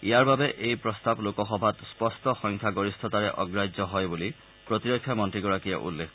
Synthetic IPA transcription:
ijaɹbabɛʔejpɹɔstablokɔxɔbʱatspɔstɔxɔŋkʰjaɡoɹistʰɔtaɹɛʔɔ̰ɡɹajzɔɦɔjbuli | pɹotiɹɔkʰːjamɔntɹiɡɔɹakija̰ʔṵlːek

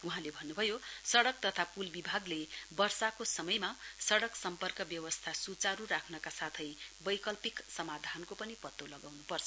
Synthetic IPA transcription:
uɦãlebʱʌnːubʱʌjosʌɽʌk̚t̪ʌt̪ʰapulbibʱaɡlebʌrsakosʌmʌjmasʌɽʌksʌmpʌrkʌbjʌwʌst̪ʰasut͡saɾuɾakʰnʌkasat̪ʰʌjbʌjkʌlpiksʌmad̪ʱankopʌnipʌt̪ːolʌɡawnupʌrt͡sʰʌ̥

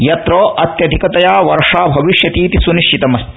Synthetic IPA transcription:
jɐt̪ɾoːʔɐt̪jɐd̪ʱikɐt̪ɐjaːʋɐɾʂaːbʱɐʋiʂjɐt̪iːt̪isuniʃt͡ʃit̪ɐmɐs

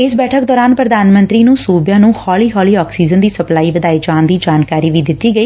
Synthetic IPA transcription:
ɪsbɛːʈʰək̚d̪ɔːɾaːnpɾəd̪aːnmə̃nt̪ɾiːnũːsuːbjãːnũːhɔːliːɦɔːliːɔːksiːzənd̪iːsəplaːiːʋəd̪aːid͡ʒãːnd̪iːd͡ʒaːnkaːɾiːʋiːd̪ɪt̪ːiːɡəiː

